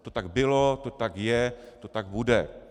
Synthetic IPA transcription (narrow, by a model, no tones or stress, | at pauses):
t̪ot̪ak̚bɪlot̪ot̪akjɛt̪ot̪ak̚budɛ